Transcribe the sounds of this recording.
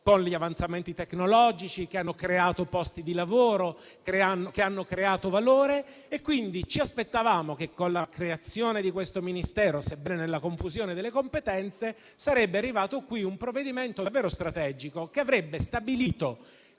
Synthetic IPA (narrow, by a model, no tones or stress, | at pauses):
konliavant̪sament̪it̪eknolɔːd͡ʒit͡ʃikeanːokɾeaːt̪opɔst̪id̪ilavoːɾo | kɾeanːokeanːokɾeaːt̪ovaloːɾeː | kːwind̪it͡ʃiaspet̪ːavaːmokekːonlakɾeat̪sːjoːned̪ikwest̪ominist̪ɛːɾosebːɛnenelːakoɱfuzjoːned̪elːekompet̪ɛnt̪se | saɾɛbːearːivaːt̪okwiumpɾovːed̪iment̪ovːɛːɾost̪ɾat̪ɛːd͡ʒikokeavɾɛbːest̪abiliːt̪o